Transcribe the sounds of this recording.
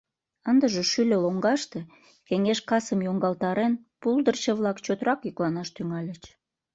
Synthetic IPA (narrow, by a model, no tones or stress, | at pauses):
ənd̪əʒeʃylʲeloŋɡɑʃt̪e | keŋeʃkɑsəmjoŋɡɑlt̪ɑɾenpuld̪ərt͡ɕəβlɑkt͡ɕot̪ɾɑkjyklɑnɑʃt̪yŋɑlʲət͡ɕ